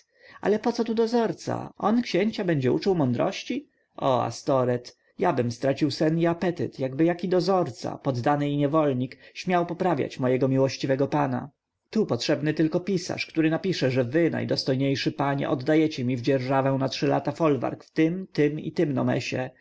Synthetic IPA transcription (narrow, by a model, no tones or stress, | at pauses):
a̰lɛpɔt̪sɔt̪ud̪ɔzɔɾt̪sa̰ʔɔnkɕeɲt͡ɕabɛɲd͡ʑɛut͡ʂɨwmɔnd̪ɾɔ̰ɕt͡ɕi | ʔɔa̰st̪ɔɾɛt̪ | jabɘmst̪ɾat͡ɕiwsɛniapɛt̪ɪ̰t̪jaɡbɘjakʲid̪ɔzɔɾt̪sa̰pɔd̪ːanɘiɲɛvɔlɲikɕmʲjawpɔpɾavʲja̰t͡ɕmɔjɛɡɔmʲiwɔɕt͡ɕivɛɡɔpana̰ | t̪upɔtʂɛbnɘt̪ɘlkɔpʲisa̰ʂkt̪uɾɘnapʲiʂɛʐɛvɘna̰jd̪ɔst̪ɔjɲejʂɘpaɲɛ̰ʔɔd̪ːajɛt͡ɕɛmʲivd͡ʑɛɾʐavɛw̃natʂɘla̰t̪afɔlva̰ɾkft̪ɘmt̪ɘmḭt̪ɘmnɔ̰mɛ̰ɕɛ